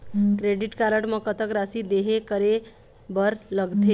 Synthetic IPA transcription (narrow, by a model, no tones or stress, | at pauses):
kɾeɖiʈkaləʈmə̃kət̪əkɾasid̪eɦekəɾe | bəɾləɡt̪ʰe